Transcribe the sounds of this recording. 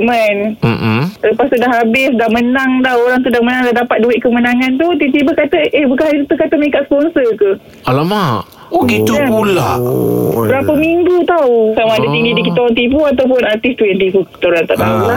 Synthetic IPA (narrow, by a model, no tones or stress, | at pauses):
mənm̩ləpast̪udaɦabɪsdahmənaŋdaoɾaŋt̪̬udahmənaŋdadapat̪̚duɪʔkəmənaŋant̪̬ut̪it̪ibəkat̪əʔehbukanhaɾit̪ut̪ukat̪əmənikaʔspɔnsəkuh | alama | oɡit̪uapula̰ʔbəɾapəmiŋɡut̪awusamaːdət̪iŋɡidikit̪oɾaŋt̪̬ipuat̪awp̬ʊnart̪ɪst̪ujaŋt̪ipuki̥t̪oɾant̪a̰ʔda̰ula